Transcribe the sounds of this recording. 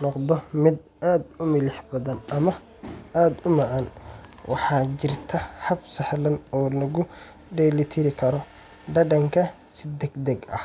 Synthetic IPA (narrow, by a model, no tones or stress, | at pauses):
nɔqd̪ɔmɪd̪ | aːd̪ʊmɪlɪħbɐðɐnɐmɐ | aːd̪ʊmɐʕanwʔɑ̰ħɑːt͡ʃɪrt̪ʰɐhɐbsɐħlɐnɔːlɐɣʊ | ɖɛlɪt̪ʰɪɾɪkʰɐɾɔ | ɖɐɖɐŋkʰɐ | sɪd̪ɛɡd̪ɛɡɐ̰h